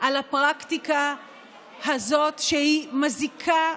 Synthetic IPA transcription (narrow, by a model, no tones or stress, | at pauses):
ʔalapʁakt̪ika | hazo̞tʃehimazikʰa